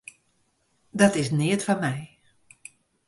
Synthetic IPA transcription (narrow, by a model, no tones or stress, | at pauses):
dɔtɪsnɪətfɔnmɛj